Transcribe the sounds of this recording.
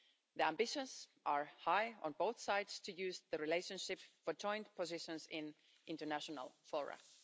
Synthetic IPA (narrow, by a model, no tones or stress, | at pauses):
ðiæ̃mbɪʃə̃nzʔəɹhaɪə̰̃nboʊθsaɪdstʰɨjʉːzðɨɹileɪʃə̃nʃɪpfə˞d͡ʒɔ̃ɪ̃ndpʰɔzɪʃə̃nzɪ̃n | ʔɪ̃ntənæʃɔnə̰lˠfɔɹə̰